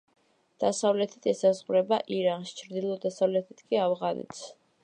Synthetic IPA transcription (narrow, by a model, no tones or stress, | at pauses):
d̪̥asavlɛt̪ʰi̥t̪ʰɛsazʁɾɛbaʔiɾanʃt͡ʃʰɾd̪ilˠɔd̪asavlɛt̪ʰit̪ʰkʼiavʁanɛ̰t̪ʰs